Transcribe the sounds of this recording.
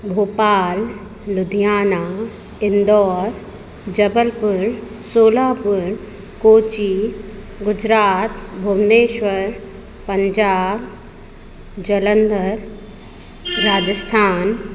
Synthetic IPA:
bʱoːpaːlː | ʊd̪ʱijaːna | ɪnd̪ɔːɾ | d͡ʑɐbəlpʊɾ | soːlaːpʊɾ | koːt͡ɕi | ɡʊd͡ʑɾaːt̪bʱumneːʃʋəɾ | pɐ̃ɲd͡ʑaːb | d͡ʑɐlənd̪əɾ | aːd͡ʑəst̪ʰaːn

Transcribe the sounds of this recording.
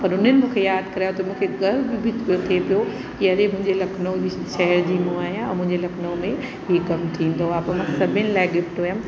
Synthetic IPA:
pɐɾʊnənɪ̆mũːkʰejaːd̪kɐɾiat̪ʰɐmũːkʰeɡɐɾbɪbʱiot̪ʰepijo | kiɐɾemʊ̃ɦɪ̃ɲd͡ʑelɐkʰnod͡ʑiʃɐɦəɾd͡ʑiːmũaːɦijãɛ̃mʊ̃ɦɪ̃ɲd͡ʑelɐkʰnomẽ | ɦiːkɐmt̪ʰĩːn̆d̪oaːpmãsɐbʱənɪlaːɪɡɪfʈoem

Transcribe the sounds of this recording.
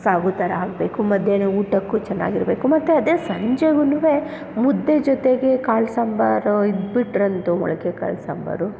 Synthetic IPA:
saːɡut̪ɐɾɐaːɡ̚be̞ːkumɐd̪ʱjeːneːuːʈɐkːut͡ʃɛnːa̰ːɡiɾbe̞ːkumɐt̪ːuɐd̪eːsɐɲd͡ʒeɡuniʋe | mud̪ːed͡ʒɔt̪eɡe̞kaːɭsɐmbɐɾid̪biʈɾɐnt̪umɔ̰ɭɐkeka̰ːɭsɐ̰mbɐ̰ɾu

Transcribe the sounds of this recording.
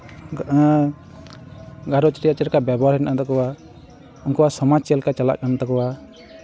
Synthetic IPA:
ɡaɾɔt͡ʃɾijat͡ʃɛɾkabɛbɔaɾɛnʔat̪ɔkɔwa | ɔŋkɔwasɔmat͡ʃɛlkat͡ʃala̰ʔkant̪ɔkɔwa

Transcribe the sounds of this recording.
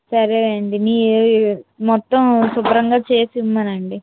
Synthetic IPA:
sɐɾeɳɖiniː | mɔt̪ːɐmsubɾɐŋɡaːt͡ʃeːsiumːɐnɐɳɖi

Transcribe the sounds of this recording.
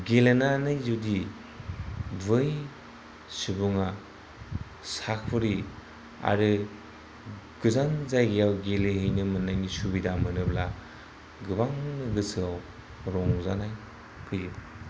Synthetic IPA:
ɡelenanɯjzudi | bɯj | subuŋa | sakʰpʰɯɾi | a̰ɾɯ | ɡ̥ɯzanzajɡejawɡelɯɦɯjnɯmɯnajnisubidamɯnɯbla | ɡɯbaŋnɯɡɯsɯaw | ɾɔŋzanaj | pʰɯjɯb

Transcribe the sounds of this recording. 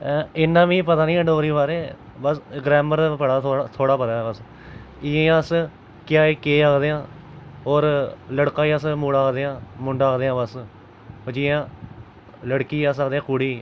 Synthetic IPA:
ɪnːãːʋĩːpət̪aːnĩːəɖoːɾiːβaːɾeː | bəsɡɾɛːməɾpəɽaːt̪ːt̪ʰoːɽaːpət̪aːɛbəs | ɪẽãːs | kɪjaːeːkeːaːkd̪eːãː | ɦoːɾləɽkaːiasmuːɽaːkd̪eːãːmʊɳɖaːkd̪eːãːbəs | d͡ʒiːãː | ləɽkiːaːs̬əkd̪eːãːkʊːɽiː

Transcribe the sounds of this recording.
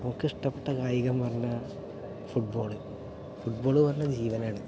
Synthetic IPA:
nɐmɐkːɨiʂʈɐpːeʈːɐkaːjiɣɐmpɐrɐɲːɐ | fuʈ̚bo̞ːɭɨ | fuʈ̚bo̞ːɭɨpɐrɐɲːɐd͡ʑiːʋɐnaːɳɨ

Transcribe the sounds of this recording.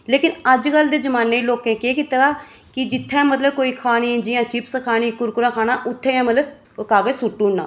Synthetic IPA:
leːkɪnəd͡ʒkəld̪eːzəmaːneːloːkẽːkeːkɪt̪ːɡaː | kɪd͡ʒɪt̪ʰːẽːmət̪ləb̚koːiːkʰaːniːd͡ʒɪjãːt͡ʃɪpsəkʰaːniːkʊɾkʊɾãːkʰaːñãːʔʊt̪ʰːẽːãːmələ | kaːɡesʊʈːũːnːã̰ː

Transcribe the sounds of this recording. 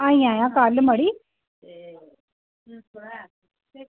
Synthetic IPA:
ãĩãjãkaːlmaɽi

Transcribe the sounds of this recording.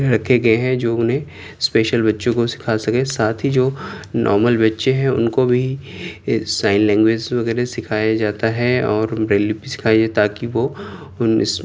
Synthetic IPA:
ɾɐkʰeɡɐeɦɛ̃d͡ʒoːʊnɦẽ | speːʃəlbɐtːʃõkosɪ̥kʰasɐkesaːt̪ʰɦid͡ʒoːnʔɔ̰ːɾməlbɐtːʃeɦɛ̃ʊ̰nkobʱi | sãːɪ̃nlɛ̃ːŋɡweːd͡ʒʋɐɣɛːɾesɪkʰaːjad͡ʒaːt̪aɦɛɔːɾbɾeːlːipisɪ̥kʰaːjed͡ʒaːet̪aːkiʋo | ʊnɪ̰s

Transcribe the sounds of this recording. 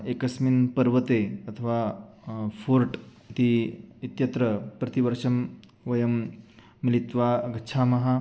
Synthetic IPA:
ekɐsminpɐɾʋɐt̪eɐt̪ʰɐʋa | fʰuɾʈit̪iit̪jɐt̪ɾɐpɾɐt̪iʋɐɾʂɐm | ʋɐjɐmː | ilit̪ʋaɡɐtːt͡ʃʰaːmɐɦa

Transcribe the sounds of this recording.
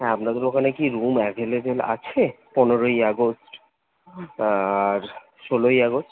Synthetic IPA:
ɛamɾad̪eɾokʰanekiɾumɛkeleɾela̰t͡ɕʰe | pɔnoɾojaɡosʈ | aɾ | ʃolojaɡosʈ

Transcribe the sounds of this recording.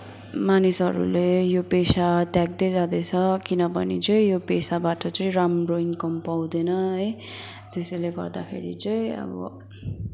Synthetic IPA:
manisɦʌɾṵlejopesat̪jaɡ̚d̪ʌjd͡zad̪et͡sʰʌkinʌbʌnit͡sʌĩjopesabaʈʌt͡sʌĩramroiŋkʌmpaw̃d̪enʌʌj | t̪esʌjleɡʌrd̪akʰḛɾḭt͡sʌĩʌ̰bʌ̰

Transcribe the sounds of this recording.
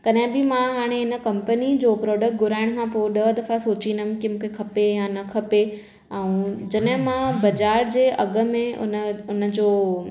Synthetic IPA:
kɐɗɦɪ̃bɪmãɦaːɽ̃eɦɪnə̆kɐ̃mpənid͡ʑoːpɾɔːɖək̚ʈ̚ɡʱʊɾaːɪɽ̃kʰãpoːɗɐd̪ɐfasoːt͡ɕĩnd̪əmkimũːkʰekʰɐpejãnɐkʰɐpe | ɛ̃ũd͡ʑɐɗɦɪ̃mãbɐd͡ʑaːɾd͡ʑeːʔɐɡə̆mẽʊ̰nʊnə̆d͡ʑoː

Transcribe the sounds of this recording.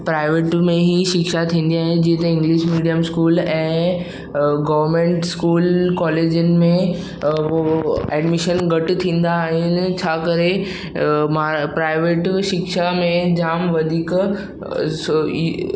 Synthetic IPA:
pɾaːɪʋeːʈmẽɦiʃɪkʃat̪ʰĩːn̆d̪iaːɦẽd͡ʑĩːt̪ɐɪ̃ŋɡliʃmiːɖijəmskuːlɛ̃ː | ɡɐʋəɾmẽːɳʈskuːlkɔːleːd͡ʑənɪ̆mẽ | oɛːɖmɪʃənɡɐʈt̪ʰĩːnd̪aːɦɪnɪ̆t͡ɕʰaːkɐɾe | maːpɾaːɪʋeːʈʃɪkʃamẽd͡ʑaːmʋɐd̪ʱiːk

